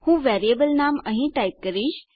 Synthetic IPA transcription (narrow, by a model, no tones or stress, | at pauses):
hũːʋɛːɾiəbəlnaːməɦĩʈaːip̚kəɾiːʃ